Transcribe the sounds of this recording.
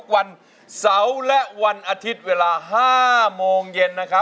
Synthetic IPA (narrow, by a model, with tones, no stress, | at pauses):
k̚wa˧n | sa˩˦wlɛ˦˥ʔwa˧nʔaː˧t̪ʰi˦˥t̪̚weː˧laː˧ɦaː˥˩moː˧ŋje˧nːa˦˥kʰɾa˦˥